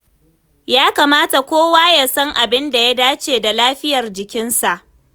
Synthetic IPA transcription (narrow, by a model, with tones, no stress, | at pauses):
jaː˦kaː˨maː˦ta˨kʷoː˦waː˦ja˦sɐ˦ŋʔa˨bɪ˦nda˨ja˦daː˦t͡ʃeː˨da˨laː˦ɸɪ˦jɐ˨rd͡ʒɪ˨kʲɪ˦nsa˨ʔ